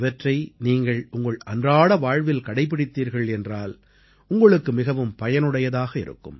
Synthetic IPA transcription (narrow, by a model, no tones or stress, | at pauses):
ʋɐʈrɐɪniːŋɡɐɭʊŋɡɐɭɐndraːɽɐʋaːɻʋɪlkɐɽɐɪp̬ːɪɽɪt̪ːiːɾɣɐɭɛndraːl | ʊŋɡɐɭɯkːɯmɪɣɐʋɯmpɐjɐnɯɽɐjɐðaːɣɐɪɾɯ̰kːɯm